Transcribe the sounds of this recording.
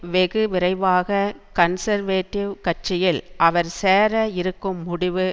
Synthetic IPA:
ʋɛɣɯʋɪɾɐɪʋaːɣɐkɐnsɐɾʋeːʈːɪʋkɐʈ̚t͡ʃɪjɪlʔɐʋɐɾseːɾɐɪɾɯkːɯmːʊɽɪʋɯ

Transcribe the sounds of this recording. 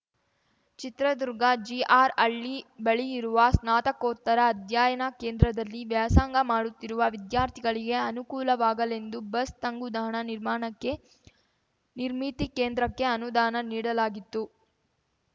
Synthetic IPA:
t͡ʃit̪ɾɐd̪uɾɡɐd͡ʒiʔaːɾɐɭːibɐɭijiɾuʋɐsnaːt̪ɐkoːt̪ːɐɾɐːd̪ʱjaːjɐnɐke̞ːnd̪ɾɐd̪ɐlːiʋjaːsaːŋɡɐmaːɽut̪ːiɾuʋɐʋid̪jaːɾt̪ʰiɡɐɭiɡe̞ɐnukuːlɐʋaːɡɐle̞nd̪ubɐst̪ɐŋɡud̪aːɳɐniɾmaːɳɐkːe̞ | niɾmit̪ikeːnd̪ɾɐkːe̞ɐnud̪aːnɐniːɽɐlaːɡit̪ːu

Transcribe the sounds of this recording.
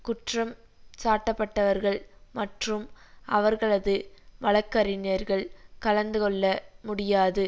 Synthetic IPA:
kʊʈrɐm | saːʈːɐpːɐʈːɐʋɐɾɣɐɭmɐʈrɯmʔɐʋɐɾɣɐɭɐðɯmɐlɐkːɐɾɪnɪjɐɾɣɐɭkɐlɐnd̪ɯkɔɭːɐmʊɽɪjaːðɯ

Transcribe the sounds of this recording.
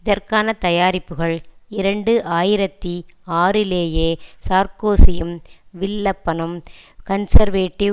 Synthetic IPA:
ɪðɐrkaːnɐt̪ɐjaːɾɪpːɯɣɐɭɪɾɐɳɖɯʔaːjɪɾɐt̪ːiaːɾɪleːjeːsaːɾkoːsɪjɯmʋɪɭːɐpːɐnɐmkɐnsɐɾʋeːʈːi

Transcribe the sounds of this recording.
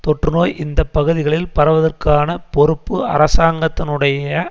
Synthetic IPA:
t̪ɔʈrɯnoːjʔɪnd̪ɐpːɐɣɯðɪɣɐɭɪlpɐɾɐʋɐðɐrkaːnɐpɔɾɯpːɯɐ̰ɾɐsaːŋɡɐt̪ːɪnɯɽɐjɐ

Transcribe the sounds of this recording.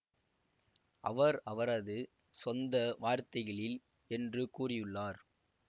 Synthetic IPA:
ʔɐ̰ʋɐɾɐʋɐɾɐðɯ | sɔnd̪ɐʋaːɾt̪ɐɪɣɐɭɪl | ɛndrɯkuːrɪjɯɭːaːɾ

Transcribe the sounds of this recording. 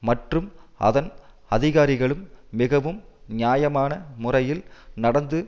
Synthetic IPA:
mɐʈrɯmʔɐ̰ðɐn | ɐðɪɣaːɾɪɣɐɭɯmːɪɣɐʋɯmnɪjaːjɐmaːnɐmʊrɐjɪlnɐɽɐnd̪ɯ

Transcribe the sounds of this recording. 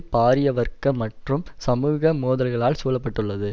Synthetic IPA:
paːɾɪjɐʋɐɾkɐmɐʈrɯmsɐmuːɣɐmoːðɐlɣɐɭaːlsuːlɐpːɐʈːɯɭːɐðɯ

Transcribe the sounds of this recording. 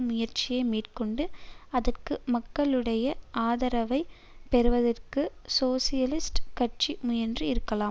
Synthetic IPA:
mʊjɐɾt͡ʃɪjɐɪmiːʈkɔɳɖɯɐðɐrkɯmɐkːɐɭɯɽɐjɐaːðɐɾɐʋɐɪ | pɛɾɯʋɐðɐrkɯsoːsɪjɐlɪsʈkɐʈ̚t͡ʃimʊjɐndrɯɪɾɯkːɐlaːm

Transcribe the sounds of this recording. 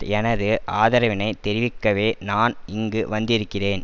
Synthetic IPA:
ɛnɐðɯʔaːðɐɾɐʋɪnɐɪt̪ɛɾɪʋɪkːɐʋeːnaːnɪŋɡɯʋɐnd̪ɪɾɯkːɪreːn

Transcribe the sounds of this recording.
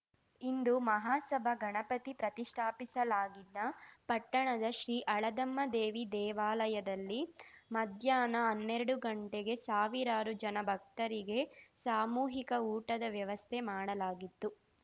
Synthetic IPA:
ind̪umɐɦaːsɐbʱɐɡɐɳɐpɐt̪ipɾɐt̪iʂʈʰaːpisɐlaːɡid̪ːɐpɐʈːɐɳɐd̪ɐʃɾiːʔɐɭɐd̪ɐmːɐd̪eːʋid̪ɛːʋaːlɐjɐd̪ɐlːimɐd̪ʱjaːnɐɦɐnːeɾɐɽuɡɐɳʈeɡe̞saːʋiɾaːɾud͡ʒɐnɐbʱɐk̚t̪ɐɾiɡe̞saːmuːɦikɐuːʈɐd̪ɐʋjɐʋɐst̪ʰemaːɽɐlaːɡit̪ːu

